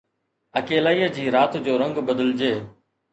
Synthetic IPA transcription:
əkeːlaːiːəd͡ʑiːɾaːt̪d͡ʑoːɾə̃ŋɡbəd̪əld͡ʑeː

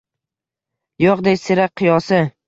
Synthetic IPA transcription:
joqd̪esɪɾaq̚qʰːɨjɒsɪ

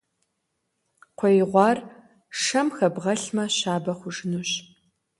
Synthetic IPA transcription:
qʷʰɔjɪʁʷɑːr | ʂɐmxɐbʁɐɬmɐɕaːbɐχʷʊʒɪnuɕ

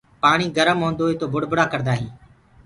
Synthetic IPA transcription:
paːɳ̃iːɡəɾəmɦõːnd̪oːɦeːt̪oːbʊɽbʊɽaːkəɾd̪aːɦiː

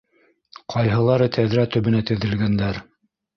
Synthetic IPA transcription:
qʰɑjɦɤ̆lˠɑɾɤt̪ʰæðɾæt̪ɵ̆βɘ̆næt̪ɘ̆ðɘ̆lɡænd̪æɾ

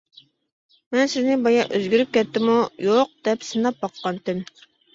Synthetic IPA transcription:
mɛnsɪznɪbɑjɑʔøzɡʲyɾyp̚kʲɛt̪ːɪmujoq̚d̪̥ɛpsɨnɑp̚bɑqːɑnt̪ʰɪm

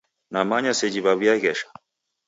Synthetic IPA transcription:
namaɲasɛd͡ʒiβaβjaɣɛʃḁ

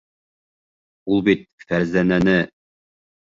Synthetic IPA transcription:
ulˠbit̪̚fæɾzænænɘ

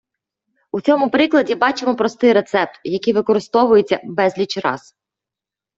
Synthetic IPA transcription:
ut͡sʲɔmʊpɾɪklˠɐdʲibɑt͡ʃemɔpɾɔst̪ɪjɾe̞t̪sɛp̚t̪jɐkɪjʋɪkɔɾɪst̪ɔʋʊjet͡sʲːɐbɛzʲlʲit͡ʃɾɑ̰z̥

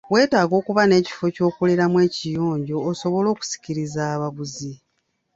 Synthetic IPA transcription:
we̞ːtaːɡo̞ːkuβane̞ːci̥fo̞co̞ːkoleɾamwe̞ːcijoːɲɟo̞ːso̞βo̞lo̞ːku̥si̥ciɾizaːβaβuzi

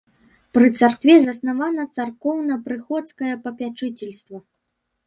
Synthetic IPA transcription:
pɾɨt̪sarkvʲɛzɐsnavanɐt̪sarkɔwnɐpɾɨxɔt̪skɐjɐpɐpʲat͡ʂɨt͡sʲɛlʲst̪vɐ

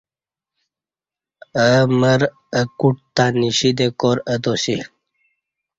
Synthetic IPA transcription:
əməɾ | əkuʈ̚t̪aːniɕid̪ekoːɾəd̪osi

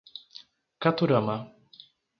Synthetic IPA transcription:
kat̪uɾama

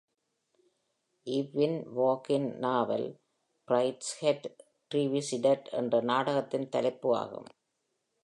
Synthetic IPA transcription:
ʔɪʋːɪnʋoːkɪnnaːʋɐ̰l | b̥ɾɐɪʈshɛʈ | ʈɾiʋisɪɖɐʈɛ̰ndrɐnaːɽɐɣɐt̪ːɪnt̪ɐlɐɪpːɯʋa̰ːɣɯ̰m

